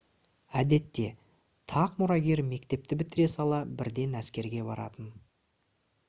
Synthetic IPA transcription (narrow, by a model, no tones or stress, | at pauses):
æd̪e̞t̪ːe̞ | t̪ʰɑqmʊɾɑɡʲeɾme̞kt̪e̞p̚t̪ɪbɪt̪ɪɾe̞sɑlˠɑbɪɾd̪e̞næskʲe̞ɾɡʲe̞bɑɾɑ̰t̪ən